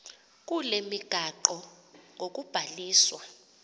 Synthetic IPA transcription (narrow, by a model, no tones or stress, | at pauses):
k̬ʼulemiɡ̥ʱaǃɔ | ŋok̬ʼub̥ʱaliːswa